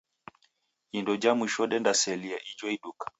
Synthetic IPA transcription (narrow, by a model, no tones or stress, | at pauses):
indɔd͡ʒamiʃɔɗɛndasɛliaʔid͡ʒwɔiɗukḁ